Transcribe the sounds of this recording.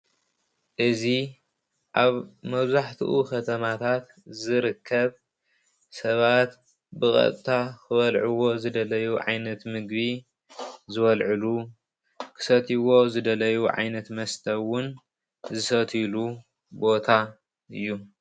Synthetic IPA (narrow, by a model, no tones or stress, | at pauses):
ʔɨzi | ʔaβmɐβzaħt̪ʰiʔukʰɐt̪ʰɐmat̪ʰat̪ | zɨɾɨkʰːɐβ | sɐβat̪ | bɨkʼɐ̰t̪ʼt̪ʰakʰɨβɐlʕuwo̞zɨd̪ɐlɐjuʕa̰jnɐt̪mɨɡbi | zɨβɐlʕɨlu | kʰɨ̥sɐt̪ʰiwo̞zɨd̪ɐlɐjuʕa̰jnɐt̪mɐst̪ʰɐwʊn | zɨsɐt̪ʰilu | bo̞t̪ʰa | ɨjːu